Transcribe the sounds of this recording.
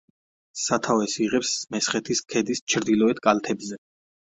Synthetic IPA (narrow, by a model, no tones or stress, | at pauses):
sat̪ʰavɛsiʁɛpsmɛsχɛt̪ʰiskʰɛd̪ist͡ʃʰɾd̪ilɔɛt̪̚ʰkʼalt̪ʰɛbzɛ